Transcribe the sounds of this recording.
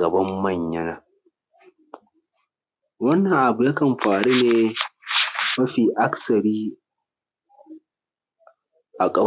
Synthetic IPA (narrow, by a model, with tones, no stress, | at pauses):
ɐ˨bɐ˦mːɐ˦˨ɲjɐ˦naː˨ | wɐ˦nːɐ˨ŋʔa˨bu˨jaː˦kɐ˨mɸaː˨ɽuː˦neː˨ | mɐ˦ɸiː˨ʔa˦ksɐ˨ɾiː˦ | ʔa˨kʼɐ˦